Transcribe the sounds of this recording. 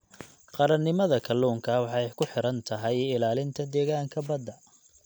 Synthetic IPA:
qɑɾɐnːɪmɐðɐkʰɐlːuːŋkʰɐwɑħɛjkʰʊħɪɾɐnt̪ʰɐɦɛjɪlaːlɪnt̪ʰɐd̪ɛːɣaːŋkʰɐbɐd̪ɐ

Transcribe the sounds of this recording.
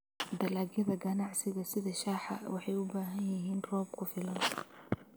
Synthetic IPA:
d̪ɐlaːɡjɐðɐɡɐnɑʕsɪɣɐsɪðɐʃaːħɑ̰wɑħɑjʊbaːɦɐnjɐɦiːnrɔːbkʰʊfɪlɐn

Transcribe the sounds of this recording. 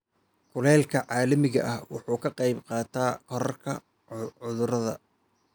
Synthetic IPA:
kʰʊlɛːlkʰɐʕɑːlɐmɪɣɐ̰ʔɐhwɑ̰ħuːkʰɐqɑjbqɑːt̪ʰaːkʰɔɾɐrkʰɐ | ʊðʊɾɐðɐ̰

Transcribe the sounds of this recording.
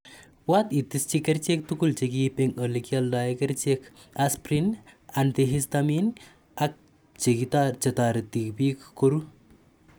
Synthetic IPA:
wat̪it̪ist͡ʃikɐɾt͡ʃek̚t̪ukult͡ʃeɡipeŋəlekjaldajɐkɐɾt͡ʃekʰ | aspɾinant̪eɦist̪amin | ak̚ | t͡ʃeɡit̪aɾt͡ʃɐt̪aːɾt̪ikbikːoɾu

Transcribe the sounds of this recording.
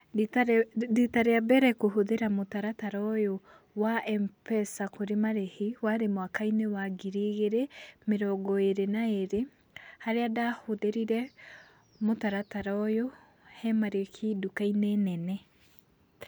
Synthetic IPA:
ditaɾeabɛɾɛkoɦoðeɾamotaɾataɾɔjo | waʔɛmpɛsakoɾemaɾehewaɾemwakainewaɡiɾeɣeɾemeɾɔɡɔeɾenaeɾe | haɾeadahoðeɾiɾɛ | motaɾataɾɔjo | hɛmaɾekʰidukainenɛnɛ

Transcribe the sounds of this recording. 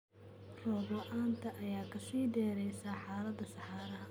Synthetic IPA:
rɔːbɔʔaːnt̪ʰɐʔɐjaːkʰɐsiːd̪ɛːɾɛjsaːħɑːlɐd̪ɐsɑħɑːɾɐɦɐ

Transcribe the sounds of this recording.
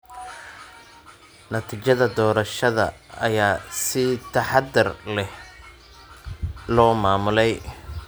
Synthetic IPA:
nɐt̪ʰiːt͡ʃɐðɐd̪ɔːɾɐʃɐðɐ̰ɐjaːsɪt̪ʰɐħɑd̪ɪrlɛh | lɔːmaːmʊlɛj

